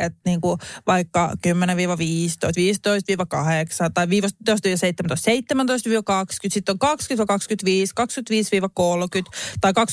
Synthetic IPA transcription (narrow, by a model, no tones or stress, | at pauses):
et̪niːŋkuʋɑikːɑkymːeneʋiːʋɑʋiːst̪o̰ist̪ʋiːst̪oist̪ʋiːʋɑkɑheksɑt̪ɑiʋiːʋɑst̪ost̪iːʋɑseit̪ːemænt̪oˑst̪seit̪ːemænt̪oist̪ʋiːʋɑkɑkskyt̪sit̪ːoŋkɑkskyt̪ʋɑikɑkskyt̪ʋiːskɑkskyt̪ʋiːsʋiːʋɑkolkyt̪t̪ɑikɑks